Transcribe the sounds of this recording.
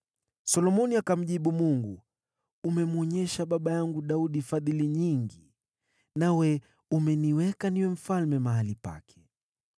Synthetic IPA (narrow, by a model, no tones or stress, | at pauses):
sɔlɔmɔniakam̩ʄiɓumuŋɡu | umɛmuɔɲɛʃaɓaɓajaŋɡuɗauɗifaðiliɲiŋɡi | nawɛ | umɛniwɛkaniwɛm̩falmɛmaɦalipa̰kʰɛ̥